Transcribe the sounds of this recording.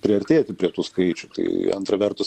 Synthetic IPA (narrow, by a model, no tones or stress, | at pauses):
pʲɾʲɪɐɾʲt̪ʲeːt̪ʲɪpʲɾʲiɛt̪uːskɐɪt͡ʃʲʊt̪ɐ̰ɪɐ̰nt̪ɾɐʋʲɛrt̪ʊs